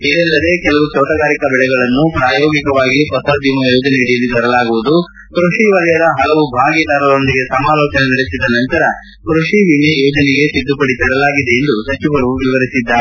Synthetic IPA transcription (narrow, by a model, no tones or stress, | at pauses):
id̪ɛlːɐd̪e̞kɛlɐʋut͡ʃoːʈɐɡaːɾikɐbɛɭɛɡɐɭɐnːupɾaːjoːɡikɐʋaːɡipɐsɐɾd̪imɐjoːd͡ʒɐneiɽijɐlːit̪ɐɾɐlaːɡuʋud̪u | kɾuʂiʋɐlɐjɐd̪ɐɦɐɭɐʋubʱaːɡid̪aːɾɐlo̞nd̪iɡe̞sɐmaːloːt͡ʃɐnenɐɽesid̪ɐnɐnt̪ɐɾɐ | kɾuʂiʋiɳejoːd͡ʒɐneɡe̞sid̪ːupɐɽit̪ɐɽɐlaːɡid̪e̞end̪usɐt͡ʃiʋɐɾuʋiʋɐɾisid̪ːaː